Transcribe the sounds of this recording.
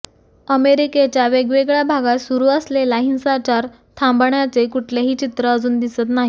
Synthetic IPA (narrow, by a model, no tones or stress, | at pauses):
əmeɾiket͡ɕjaʋeɡʋeɡɭjabʱaɡat̪suɾuːəslelaɦinsat͡ɕaɾ | t̪ʰãmbɳjat͡sekuʈʰleɦiːt͡ɕit̪ɾəəd͡zuːnd̪isət̪naɦi